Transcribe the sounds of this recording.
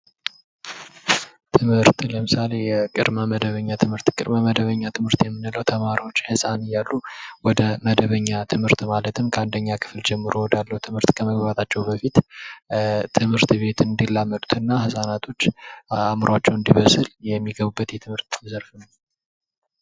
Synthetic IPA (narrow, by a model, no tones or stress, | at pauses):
t̪ʰɨmhɨɾt̪ləmɨsale̞jɛkʼɨ̰d̪maməd̪əβəɲːat̪ʰɨmhɨɾt̪kʼɨd̪maməd̪əβəɲːat̪ʰɨmɨɾt̪jɛmːɨnɨləwt̪ʰəmaɾiwo̞t͡ʃːhɨsʼanɨjːalːuwɔd̪əməd̪əβəɲːat̪ʰɨmhɨɾt̪malət̪ʰɨmkʰəand̪əɲːakʰɨ̥fld͡ʒɛmːɨɾowɔd̪alːəhut̪ʰɨmhɨɾt̪kʰəməɡβat̪ʰat͡ʃːɛwbəfit̪ | t̪ʰɨmhɨɾt̪be̞t̪ɨnd̪ilːamːət̪ʼu̥t̪ʰɨnːahɨsʼanat̪ʰo̞t͡ʃːamɨɾat͡ʃːɛwɨnd̪iβəsɨljɛmːiɡəβubːət̪jɛt̪ʰɨmhɨɾt̪zəɾfnə